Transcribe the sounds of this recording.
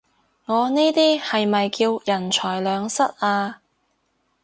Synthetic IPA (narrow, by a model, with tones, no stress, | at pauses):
ŋɔː˨˧niː˥t̪iː˥hɐ˨jmɐ˨jkiː˧wjɐ˨˩nt͡ʃʰɔː˨˩jlœː˨˧ŋsɐ˥t̚aː˧